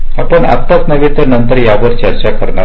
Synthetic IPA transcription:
apəɳa̰t̪ːasnəʋit̪ənənt̪əɾjaʋəɾt͡ɕəɾt͡ɕakəɾɳa

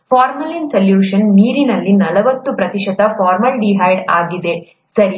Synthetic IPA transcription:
pʰaːɾmɐlinsɐljuːʂɐnːiːɾinɐlːinɐlɐʋɐt̪ːupɾɐt̪iʃɐt̪ɐfaːɾmɐlɖiɦɐjɖaːɡid̪e̞ | sɐɾi

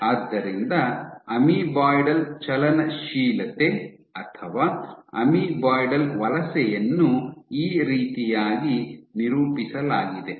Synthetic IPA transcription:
aːd̪ːɐɾind̪ɐɐmibaːjɖɐlt͡ʃɐlɐnɐʃiːlɐt̪e | ɐt̪ʰɐʋaːɐ̰mibaːjɖɐlʋɐlɐsɛjɐnːuiːɾiːt̪ijaːɡiniɾuːpisɐlaːɡid̪e

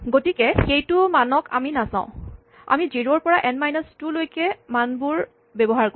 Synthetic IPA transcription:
ɡotikɛxejtʊmanɔka̰minasã̰ʊ̃ | a̰miziɹoɹpɔɹaʔɛnmajnastulojkɛmanbuɹ | bɛbɔɦaɹk

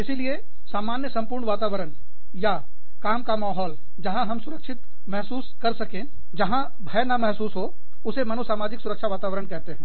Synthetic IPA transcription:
ɪsilie | saːmaːnjəsɐ̃mpʊːɾɳʋaːt̪aːʋəɾən | ja | kaːmkamaːɦɔːl | d͡ʒɐɦãɦɐmsʊɾəkʃɪt̪ | mɛɦsuːskɐɾsɐkẽː | d͡ʒɐɦã | bʱɛːnamɛɦsuːsɦo | ʊsemɐnosaːmaːd͡ʒɪksʊɾəkʃaʋaːt̪aːʋəɾəɳkɛɦt̪eɦɛ̃ː

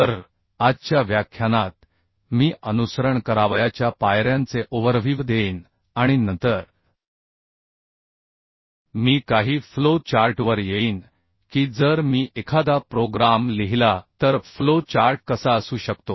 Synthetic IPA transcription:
t̪əɾ | ad͡ʑt͡ɕjaʋjakʰːjanat̪̚ | miːʔənusəɾəɳkəɾaʋjat͡ɕjapajɾjãnt͡seʔoʋəɾʋʱiːʋd̪eiːn | aɽ̃inənt̪əɾ | miːkaɦiːflot͡ɕaɾʈʋəɾjeiːn | kiːd͡zəɾmiːʔekʰad̪apɾoɡɾamleɦilat̪əɾflot͡ɕaɾʈ̚kəsaəsuːɕəkt̪o

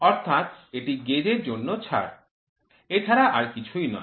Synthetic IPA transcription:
ɔɾt̪ʰat̪eʈiɡed͡ʑeɾd͡ʑonːot͡ɕʰa̰ɽ | et͡ɕʰaɾaʔaɾkit͡ɕʰujnɔ̰e

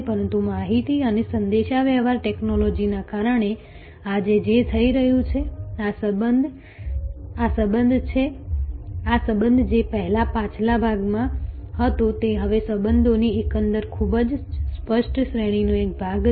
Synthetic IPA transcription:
pəɾənt̪umaɦit̪iənesənd̪eʃaʋjəʋaɾʈeknolod͡ʒinakaɾəɳ̃e | ad͡ʒed͡ʒet̪ʰəiɾəɦjũt͡ʃʰeasəbəd̪ | asəbənd̪ʱt͡ʃʰe | asəbənd̪ʱd͡ʒepəɦlapãt͡ʃlabʱaɡmã | hət̪ot̪eɦəʋesəbənd̪ʱoniekənd̪əɾkʰubd͡ʒspəʃʈʃɾeɽ̃inũek̚bʱaɡ

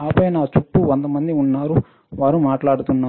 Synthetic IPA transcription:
aːpɐjɐnaːt͡ʃuʈːuʋond̪ɐmɐnd̪iunːaːɾu | ʋaːɾumaːʈlaːɽut̪unːaː

